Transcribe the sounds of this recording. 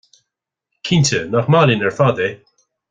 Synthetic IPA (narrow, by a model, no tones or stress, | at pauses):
kʰintənaxmalənɛɹfad̪e